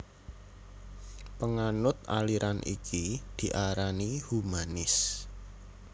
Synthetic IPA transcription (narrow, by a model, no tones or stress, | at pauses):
pəŋanʊt̪̚a̰liɾʔanʔḭkid̪̥i̤ʔaɾanihumanɪs